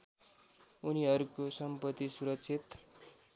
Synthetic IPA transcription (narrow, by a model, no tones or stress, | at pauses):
uniɦʌɾukosʌmpʌt̪ːisuɾʌksʰit̪